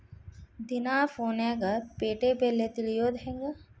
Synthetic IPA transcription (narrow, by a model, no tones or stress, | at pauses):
d̪inaːfoːnaɡapeːʈeːpelːet̪ilijoːd̪ɦeŋɡə